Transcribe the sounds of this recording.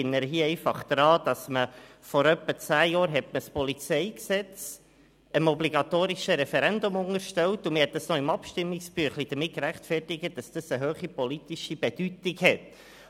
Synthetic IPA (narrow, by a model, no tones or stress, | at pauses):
ɪnːəɾɦiəɛɪfɑχd̥̪ɾɑːd̥ɑsməfɔɾœpːət͡sæːjɑːɾɦɛtməspɔlit͡sɛɪksɛt͡s | ənɔbliɡɑt̪oːɾɪʃəɾɛfɛɾɛndʊmʊŋəɾʃtɛltʊmɪhɛt̚dɑsnɔɪmɑpʃtɪmːɪksb̥yːχlid̥̪əɾmɪt̚kɾæχtfɛrtɪɡət̚d̥ɑsd̥əsəɦøːχipɔlitɪʃib̥ɛd̥ytɪkhɛt